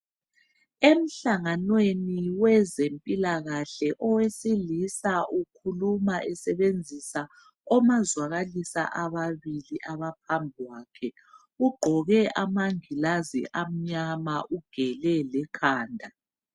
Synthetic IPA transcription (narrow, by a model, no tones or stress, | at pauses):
em̩ɬaŋanweniwɛzempʼilaɣaɬɛʔɔwesilisaʔukʰulumaʔɛsɛβend͡zʱisa | ɔmazwaɣalisa̰ʔaβaβiliʔaβap̚ʰambʱiwaːkʰɛ | uɡ͡ǃʱɔɣɛʔamaŋilazḭʔam̩ɲamaʔuɡ̥ʱɛlɛlɛkʰaːndʱa